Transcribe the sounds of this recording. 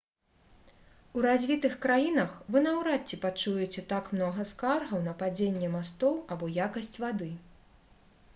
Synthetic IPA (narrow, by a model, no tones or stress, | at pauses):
uɾazʲvʲit̪ɨxkɾajinɐxvɨnɐwɾat͡sʲːipat͡ʂujɛt͡sʲɛt̪akmnɔɣɐskarɣɐwnɐpad͡zʲenʲːɛmast̪ɔwabɔjakɐsʲt͡sʲvad̪ɨ